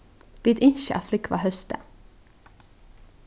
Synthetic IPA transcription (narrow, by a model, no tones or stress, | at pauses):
viːd̪ɪnʃə̰a̰flɪkva̰ɦœst̪ə̰